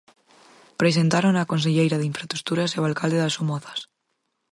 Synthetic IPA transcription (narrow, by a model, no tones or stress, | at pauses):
pɾes̬ent̪aɾonakons̬eʎejɾaðiɱfɾast̪ɾukt̪uɾasewalkald̪eðasumɔθḁs